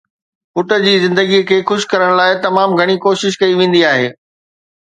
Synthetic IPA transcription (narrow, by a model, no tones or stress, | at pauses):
fʊʈə̆d͡ʑiːzɪ̃nd̪əɡikʰeːxʊʃkɐɾəɽ̃laːɪt̪ɐmaːmɡʱɐɽ̃ikoːʃɪʃ̬kɐiʋẽːn̆d̪iaːɦḛː